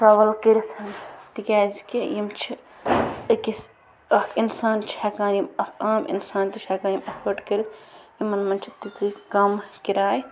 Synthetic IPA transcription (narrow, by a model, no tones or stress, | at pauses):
ɾɐʋɐlkiɾit̪ʰɐnt̪ikʲaːzikijimt͡ʃʰi | ɨkis | ɐkʰinsaːnt͡ʃʰɐkaːnjimɐkʰaːmḭnsaːnt̪it͡ʃʰakaːnjimɐkʰʋɐʈkɐɾit̪ʰjimːɐnmɐnt͡ʃʰi̥t̪it͡sikɐmkiɾaːj